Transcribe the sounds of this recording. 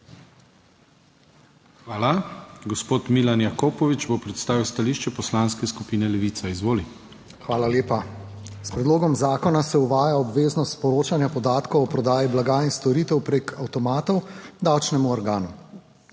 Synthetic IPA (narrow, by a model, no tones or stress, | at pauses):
xʋaːlaɡɔspoːt̪milanjakoːpɔʋit͡ʃbopɾɛt̪st̪aːʋiwst̪aliːʃt͡ʃɛpɔslanskɛskupiːnɛlɛʋiːt̪saizʋoːli | xʋaːlaleːpa | spɾɛd̪loːɡɔmzaːkɔnasɛuʋaːjaɔbʋeːznɔst̪spɔɾoːt͡ʃanjapɔd̪aːt̪kɔwɔpɾɔd̪aːjiblaɡaːinst̪ɔɾiːt̪ɛwpɾeːkʰawt̪ɔmaːt̪ɔwd̪awt͡ʃnɛmuɔɾɡaːnu